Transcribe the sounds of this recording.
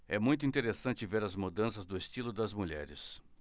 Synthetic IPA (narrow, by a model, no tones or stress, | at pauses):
ɛmũj̃t̪ʊĩt̪eɾesɐ̃nt͡ʃɪveɾɐzmud̪ɐ̃sɐzd̪ʊest͡ʃilʊd̪ɐzmuʎɛ̰ɾɪ̰s